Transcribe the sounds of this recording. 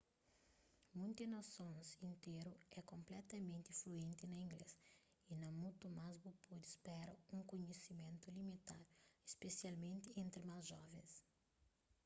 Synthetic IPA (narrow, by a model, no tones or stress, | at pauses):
mũnt̪inɐsõnsĩnt̪eɾuɛkõmplɛt̪ɐmẽnt̪ifluẽnt̪inɐĩŋɡles | inɐ̃mũt̪umazbupod̪ispɛɾɐũŋkõɲesimẽnt̪ʊlimit̪aɾespesialmẽnt̪iẽnt̪ɾimazʒɔvẽs